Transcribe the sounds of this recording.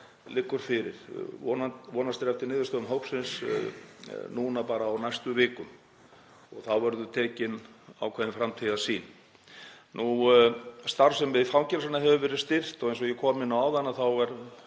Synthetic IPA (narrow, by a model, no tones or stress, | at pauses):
lɪkːʏɾ̥fɪɾɪɾ̥ɔnavɔːnast̪ɪɾɛft̪ɪɾnɪːðʏ̥st̪œːðʏmɦowksɪns | nunapaːɾaːwnajst̪ʏvɪːkʏm | ɔɣθawvɛɾðʏt̪ʰɛːcɪna̰wkʰvɛðɪnfɾamt̪ʰiːðasiːn | nu | st̪aɾfsɛmvɪðfawmcɛɾsanːaɦɛvʏvɛːɾɪðst̪ɪr̥t̪ɔɣejns̬ɔjɛkʰɔːmɪnːawawðanːaθawɛɾ